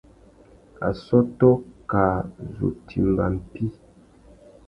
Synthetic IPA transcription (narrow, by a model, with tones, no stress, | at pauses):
a̰˨sɔ˦tɔ˦ka˨zo̰˨tʰi˨mba˨m̩˨pi˦